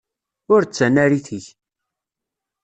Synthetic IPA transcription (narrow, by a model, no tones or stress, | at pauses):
ʊɾt͡sːænːæɾiθiç